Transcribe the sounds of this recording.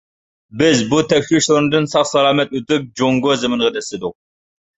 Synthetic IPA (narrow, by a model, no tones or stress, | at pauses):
bɪzbut̪ʰɛkʲʃiʃlˠɨɾɨnɨd̪ɨnsɑχsɑlˠɑːmɛt̪̚ut̪ɨk̚d͡ʒoŋɡozɨmɨnʁəd̪ɛsɪd̪ʊq̚